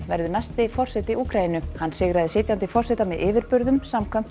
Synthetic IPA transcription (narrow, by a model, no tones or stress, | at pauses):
vɛɾðʏnajst̪ɪfɔr̥sɛt̪ɪiuːkɾainʏhanːsɪːɣɾaðɪsɪːt̪jant̪ɪfɔr̥sɛt̪amɛðʔɪːvɪɾpʏɾðʏmsamkʰvœm̥t